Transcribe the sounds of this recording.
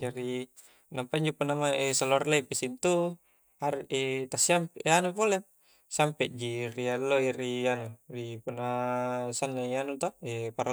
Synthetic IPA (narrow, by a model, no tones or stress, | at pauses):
d͡ʒaɾi | nampaiɲd͡ʒopunamaesaloarlaipisint̪u | haɾet̪asiampanupole | sampɛʔd͡ʒirialːoirianuripunːasanːaianut̪ɔɛpaɾa